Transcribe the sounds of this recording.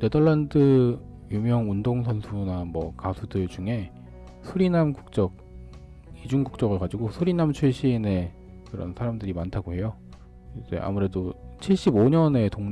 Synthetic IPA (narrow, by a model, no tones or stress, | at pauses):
ne̞dʌɭːandɯ | jumjʌŋundoŋsʰʌnsʰunamwʌ̰kasʰudɯɭd͡ʑuŋe̞ | sʰuɾinamɡu̥k̚t͡ɕ͈ʌk̚ | id͡ʑuŋɡuk̚t͡ɕ͈ʌɡɯɭkad͡ʑiɡosʰuɾinamt͡ɕʰuɭɕ͈ʰine̞ | kɯɾʌ̰nsʰaɾamdɯɾimantʰaɡoɦe̞jo | id͡ʑe̞̰ʔa̰muɾe̞dot͡ɕʰiɭɕ͈iboɲʌne̞toŋ